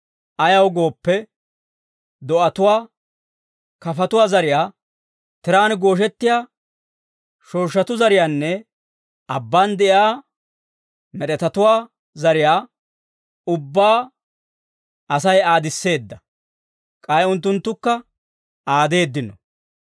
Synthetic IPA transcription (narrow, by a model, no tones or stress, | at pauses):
ʔɐjɐwɡo̞ːpːɛ | d̪ɔʔɐt̪ʊwaː | kɐfɐt̪ʊwaːzɐɾɪjaː | t̪ɪɾaːnɡo̞ːʃ̬ɛt̪ːɪjaː | ʃoːʃːɐt̪ʊzɐɾɪjaːnːɛ | ʔɐbːaːnd̪ɛʔjaː | mɛɗɛt̪ɐt̪ʊwaː | zɐɾɪjaː | ʊbːaː | ɐsɐjaːd̪ɪsːe̞ːd̪ːɐ | kʼɐjʊnt̪ːʊnt̪ːʊkːɐ | ʔaːd̪e̞ːd̪ːɪnːɔ̰